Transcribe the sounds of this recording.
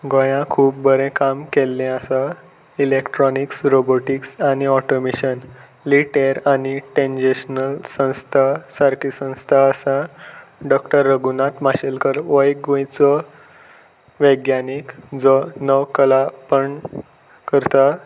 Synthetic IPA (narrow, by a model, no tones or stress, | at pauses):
ɡɔ̃jãkʰuːp̚bəɾẽkamkelːẽəsa | ilekʈɾɔniksɾoboʈiksaniɔʈomeɕən | liʈeɾaniʈẽnd͡ʑeɕnəlsə̃w̃st̪ʰasaɾkisə̃w̃st̪ʰaəsãɖɔkʈəɾːəɡunat̪maɕelkəɾʋəjɡõjt͡sɔ | ʋəɡjanikd͡zɔnəʋkəlapəɳ | kəɾt̪a